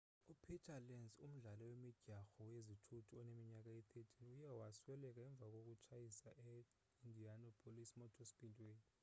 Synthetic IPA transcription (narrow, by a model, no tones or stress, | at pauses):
upʰitʰalɛnzum̩ɮalɔwemiɟ̥ʱaxɔwezitʰutʰuɔnemiɲak̬ʼait̪ʰetʰinujɛwaswɛlɛk̬ʼaɛɱb̪vʱak̬ʼok̬ʼut͡ʃʰajisaʔɛ | indʱianɔpʰʼolisimɔtʰɔsi̥pʰʼintʼiweːni